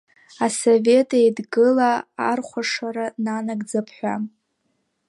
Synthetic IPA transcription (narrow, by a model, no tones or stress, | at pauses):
asove̞tʼajdɡɨlaːrχʷaʂaɾananaɡʼd͡zapʰħᶣʷa